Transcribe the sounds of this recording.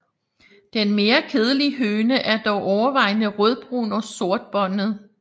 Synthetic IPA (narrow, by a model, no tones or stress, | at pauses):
d̥enme̝ːɐkʰeð̞ˠəliɦøːnəʔæɐd̥ɒʊʔɒʊɐʋɑ̈ɪnəʁœð̞ˠb̥ʁṵːnɒso̝ɐd̥̚b̥ɒ̽n̰ð̩ˠ